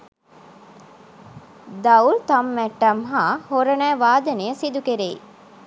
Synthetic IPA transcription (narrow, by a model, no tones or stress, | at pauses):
d̪awlt̪amːæʈːɐmɦaːhoɾənæːʋaːd̪ənejəsid̪ukeɾei